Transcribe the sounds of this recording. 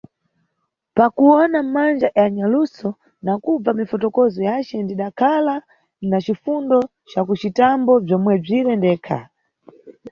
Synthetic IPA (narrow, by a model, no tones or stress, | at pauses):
pakuwɔnamand͡ʒajaɲalusɔ | nakub͡vamifɔtɔkɔzɔjat͡ʃɛndiɗakʰala | nat͡ʃifundɔ | t͡ʃakut͡ʃitambɔb͡ʐɔmwɛb͡ʐiɾɛndɛːkʰa̰